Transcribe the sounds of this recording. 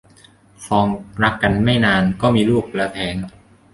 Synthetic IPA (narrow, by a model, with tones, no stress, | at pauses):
fɔː˧ŋɾa˦˥kːa˧nma˥˩jnaː˧nkɔː˥˩miː˧luː˥˩k̚la˧t̪ʰɛː˩˦n